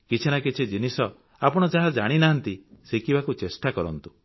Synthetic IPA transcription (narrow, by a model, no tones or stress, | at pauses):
kit͡ʃʰinakit͡ʃʰid͡ʒinisɔ | apɔɽ̃ɔd͡ʒaɦad͡ʒaɽ̃inaɦant̪isekibakut͡ʃesʈakɔɾɔnt̪u